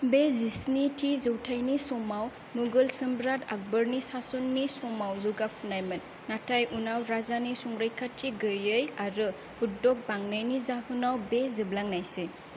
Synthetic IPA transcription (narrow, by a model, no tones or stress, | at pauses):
bezisnitʰizɯwtʰajnisɔmaw | nuɡɯlsɯmbɾatak̚bəɾnisasunːisɔmawzuɡapʰunajmɯnːatʰajʔunawɾazanisuŋɾajkʰatʰːiɡɯjɯjaɾɯ | hudɔk̚baŋnajnizaɦunawbeziblaŋnajse